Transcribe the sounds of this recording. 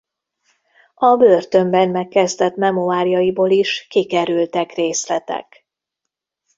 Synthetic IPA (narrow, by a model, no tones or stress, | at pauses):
ɒbørt̪ø̞mbɛnmɛkːɛzd̪ɛt̪mɛmoaːɾijɒjiboːliʃkikɛɾylt̪ɛkreːslɛt̪ɛ̰k